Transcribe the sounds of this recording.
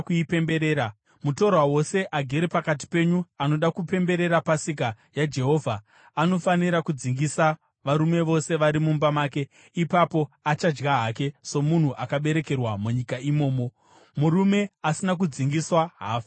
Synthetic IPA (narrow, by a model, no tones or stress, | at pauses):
kuipe̞mbe̞ɾeːɾa | muto̞rwawo̞se̞ʔaɡʱeɾepakat̬i̥pe̞ːɲuano̞ɗakupe̞mbe̞ɾe̞ɾapasik̬a | jad͡ʒe̞ɦo̞ːvʱa | ano̞faniɾakud͡ziŋɡisa | ʋaɾume̞ʋo̞se̞ʋaɾimumbamaːke̞ | ipapo̞at͡ʃad͡ʒɡaɦake̞so̞mun̤uʔakaɓe̞ɾe̞ke̞rwamuɲikaimo̞ːmo̞ | muɾume̞asinak̬ud͡ziŋɡiswaɦaːfa